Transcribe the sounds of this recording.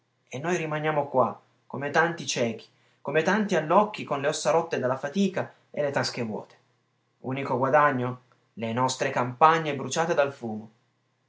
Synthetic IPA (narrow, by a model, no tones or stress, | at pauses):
enːojɾimanjaːmokwa | kːomet̪ant̪it͡ʃɛːk̟i̥ | komet̪ant̪ialːɔkːikonleɔsːaɾɔt̪ːed̪alːafat̪iːka | elːet̪ask̟evwɔ̰ːt̪e̥ | ṵːnikoɡwad̪aɲːo | lenɔst̪ɾekampaɲːebɾut͡ʃaːt̪ed̪alfuːmo